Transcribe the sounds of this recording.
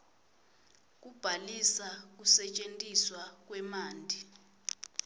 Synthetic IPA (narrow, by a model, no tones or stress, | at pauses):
k̬ub̥ʱalisak̬usɛt͡ʃʼentʼiswak̬ʼwɛmaːndʱi